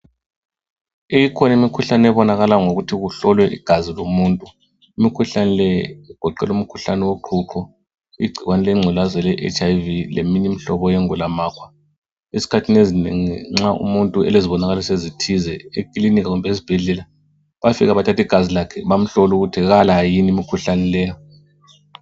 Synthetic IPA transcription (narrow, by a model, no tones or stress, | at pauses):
ijikʰɔnaimikʰuɬanɛβɔnaɣalaŋoɣutʰiɣuɬɔlwɛʔḭɡ̥ʱazilomuːntʼu | imikʰuɬanɛlɛɛɡ̥ʱɔǃɛ̰lum̩kʰuɬanɛwoǃʰuǃʰɔ | iɡ͡ǀʱiɣwanɛlɛŋ͡ǀʱɛlazɛlɛʔɛ̰t͡ʃʰʼajvilḛminim̩ɬɔβɔjɛŋulamaːkʰwa | izi̥kʰatʰinezinḛŋiŋ͡ǁaʔṵmuntʼuɛ̰leziβɔnaɣalɔsezitʰizɛekʼilinikaɣumbɛezib̥ʱɛɮɛla | βafḭɣaβatʰatiɡ̥ʱazilakʰɛβam̩ɬɔluɣutʰiɣalajinimikʰuɬanɛlɛjɔ